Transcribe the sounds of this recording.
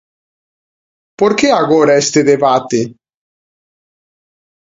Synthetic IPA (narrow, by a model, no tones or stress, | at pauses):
poɾkeaɣoɾaest̪eðeβat̪e